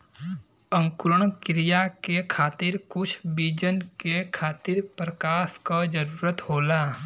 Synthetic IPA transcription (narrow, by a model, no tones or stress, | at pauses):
ə̃ŋkʊɾəɳ̃kɾijakekʰaːt̪ɪɾkʊt͡ʃʰbiːd͡ʒənkekʰaːt̪ɪɾpɾəkaːskad͡ʒəɾuːɾət̪hoːlaː